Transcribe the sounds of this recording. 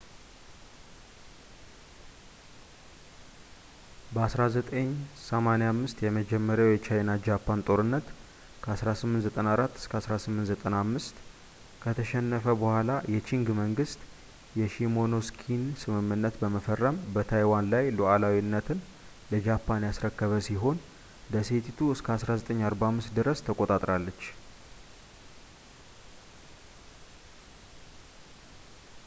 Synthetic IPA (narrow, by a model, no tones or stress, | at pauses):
bəasɾazət̪ʼəɲːsəmanejamːɨst̪jɛməd͡ʒɛmːəɾjawjɛt͡ʃajnad͡ʒapːant̪ʼo̞ɾɨnːət̪ | kʰəasɾasɨmːɨnt̪zət̪ʼənaɾat̪ːɨskʰəasɾasɨmːɨnt̪zət̪ʼənamːɨst̪ | kʰət̪ʰəʃɛnːəfəbəhʷalajɛt͡ʃʰiŋɡməŋɡɨst̪ | jɛʃimo̞no̞skʰinsɨmɨmːɨnːət̪bəməfərːəmbət̪ʰajwanlajloʔalawinːət̪ʰɨn | ləd͡ʒapʰːanjasɾəkːəβəsiɦo̞n | d̪əset̪ʰit̪ʰuɨskʰəasɾazət̪ʼəɲːaɾbaamːɨst̪d̪ɨɾəst̪ʰəkʼot̪ʼat̪ʼɾalːət͡ʃː